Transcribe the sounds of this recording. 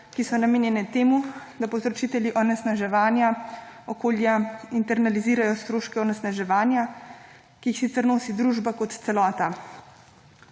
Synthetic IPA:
kisɔnameːnjɛnɛt̪eːmud̪apɔzɾɔt͡ʃiːt̪ɛljiʔɔnɛsnaʒɛʋaːnjaɔkoːljaint̪ɛɾnaliziːɾajɔst̪ɾoːʃkɛɔnɛsnaʒɛʋaːnja | kiːxsit̪sɛɾnoːsid̪ɾuːʒbakɔt̪t̪sɛlɔːt̪a

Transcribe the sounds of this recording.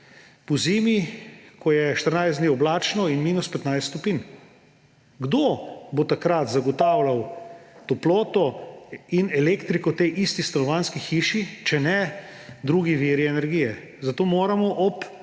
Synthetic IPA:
pɔziːmikɔjɛʃt̪əɾnajszd̪niːɔblaːt͡ʃnɔinmiːnuspɛt̪najst̪t̪opin | ɡd̪obot̪akɾat̪zaɡɔt̪aːwlawt̪oploːt̪ɔinɛleːkt̪ɾikɔt̪ejʔist̪ist̪ɐnɔʋaːnskixiːʃit͡ʃɛnɛd̪ɾuːɡiʋiɾiɛnɛɾɡiːjɛ | zat̪oːmoːɾamɔʔɔp

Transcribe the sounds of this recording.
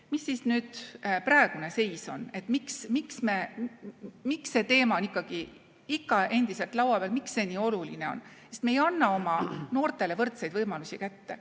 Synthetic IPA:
misːiːsnyːd̪̥prɑeɡ̥une̞se̞jso̞ne̞t̪ːˑmiksmiksme | miksːe̞t̪e̞ːmɑonikːˑɑɡ̥i | ikːˑɑʔe̞nd̪ise̞lt̪lɑwɑpeːlmiksːe̞nʲiːo̞luline̞o̞̰nsest̪mejɑnːɑo̞mɑno̞ːrt̪ˑe̞le̞vɤrt̪sejd̪̥vɤjmɑlusʲikæt̪ːe̞

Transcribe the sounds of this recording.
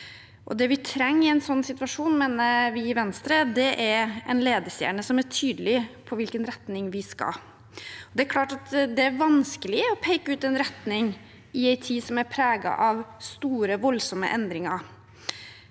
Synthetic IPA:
ʔɔ̰d̪ɛʋɪt̪ʰɾɛŋːɪæɪnsɔnːsɪt̪ʋɑʂuːnmeːnəʋɪɪʋɛnst̪ɾəd̪ɛʔæɾɛ̰nleːd̪əsjæ̰ːɳəsɔmæʈʰyːd̪əlɪpʰɔʋɪlkənɾɛt̪nɪŋʋɪskɑ̰ | ɔd̪ɛæɾkʰlɑːʈɑt̪d̪ɛæɾʋɑnskəlɪɔpʰæɪkəʉːt̪ɛnɾɛt̪nɪŋ | ɪæɪt̪ʰiːsɔmæɾpʰɾæːɡɑ̰ʔɑʋst̪uːɾəʋɔlsɔmːə̰ʔɛnd̪ɾɪŋɑɾ

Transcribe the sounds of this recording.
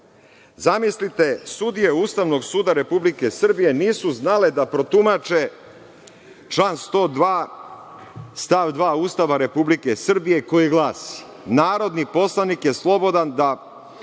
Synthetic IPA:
zamislit̪e̞sud̪ije̞uːst̪aʋno̞ɡsuːd̪aɾe̞publike̞sr̩bije̞niːsuznale̞d̪apɾo̞t̪umat͡ʃe | t͡ʃlaːnst̪o̞ːd̪ʋaː | st̪aʋd̪ʋaːuːst̪aʋaɾe̞publike̞sr̩bije̞ko̞jiɡlˠaːsi̥ | naːɾo̞d̪nipo̞slanikje̞slˠo̞bo̞d̪and̪a

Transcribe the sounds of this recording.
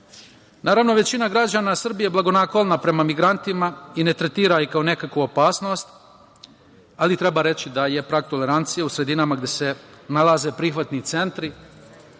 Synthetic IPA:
naːɾaʋno̞ʋe̞t͡ɕinaɡɾad͡ʑaːnasr̩bijeblˠaɡo̞nakolˠnapɾe̞mamiɡɾant̪imaine̞t̪ɾet̪iːɾaikao̞ne̞kakʋuopaːsno̞st̪ | alit̪ɾe̞baɾe̞t͡ɕid̪aje̞pɾaːkt̪o̞le̞ɾant̪sijeusɾe̞d̪inamaɡd̪e̞se̞nalˠaze̞pɾixʋat̪nit̪se̞nt̪ɾi

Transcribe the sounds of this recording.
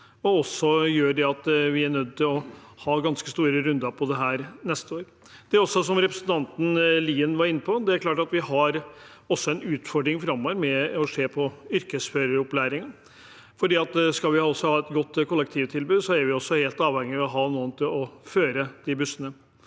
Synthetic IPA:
ɔɔsɔjøːɖɛɑt̪ʋɪæɳœd̪̚t̪ɪlɔhɑːɡɑnskəst̪uːɾəɾʉnd̪əɾpʰɔd̪ɛɦæːɾnɛst̪əoːɾ | d̪̥ɛɔsːɔsɔmɾɛpɾəsnt̪ʰɑnt̪n̩liːənʋɑɾɪnːəpʰɔd̪ɛæɾkʰlɑːʈɑt̪ʋɪhɑɾ | ɔsːɔɛnʉːt̪fɔɖɾɪŋfɾɑmːoːʋəɾmɛɔʂeːpʰɔʏɾkəsføːɾəɾɔplæːɾɪŋən | fɔɖiːɑt̪skɑlʋɪhɔsːɔhɑːɛt̪ɡɔt̪ːkʰɔlːɛkt̪ʰiːʋt̪ʰɪlbʉːd̪sɔæɾʋɪɔsːɔheːlt̪ɑːʋhɛŋːɪɔɦɑːnuːənt̪ʰɪlɔføːɾəd̪̥ɪbʉsːənə

